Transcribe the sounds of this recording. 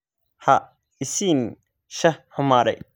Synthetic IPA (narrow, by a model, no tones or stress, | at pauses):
ha | ɪsin | ʃɐhɐmaːɾɛ̰